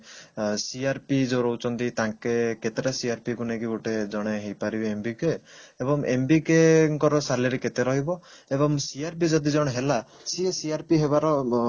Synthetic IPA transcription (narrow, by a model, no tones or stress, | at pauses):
siaɾpid͡ʒoɾowt͡ʃɔnt̪it̪aŋkeket̪eɾasiaɾpikunekiɡoʈed͡ʒɔɽ̃eɦejpaɾibiembikeebɔŋḛmbikeŋkɔɾɔsaleɾeket̪eɾɔɦibɔ | ebɔŋsiaɾp̬id͡ʒɔd̪id͡ʒɔɽ̃eɦela | siesiaɾpiɦeβaɾɔ